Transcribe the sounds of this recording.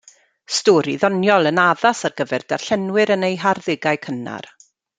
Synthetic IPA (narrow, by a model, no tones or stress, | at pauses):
stɔːɾiðɔnjɔlˠənaðasarɡəvɛrd̥arɬɛnwɪɾənejɦarðɪɡaɨkʰəna̰r